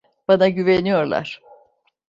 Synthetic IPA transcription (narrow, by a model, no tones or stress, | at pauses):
b̥anaɟyvenijo̞ɾlˠa̰ɾ̥